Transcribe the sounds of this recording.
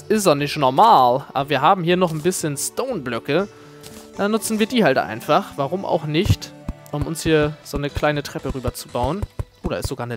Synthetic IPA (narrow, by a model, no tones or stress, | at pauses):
ʔɪszɔnɪçtnɔɐmaːlʔa̰ːbɐviːɐɦaːbm̩hiːɐnɔχn̩bɪsçənstoʊnblœkə | d̥aːnʊt͡sn̩viːɐdiːhaltʔa̰ɪnfaχv̥aʁ̞ʊmʔa̰ʊxnɪçtʔʊmʊnshiːɐz̥oːnəkl̥aɪnətʁ̥ɛpəʁyːbɐt͡subaʊənʔoːɾɐɪstz̥oɡaːɐnə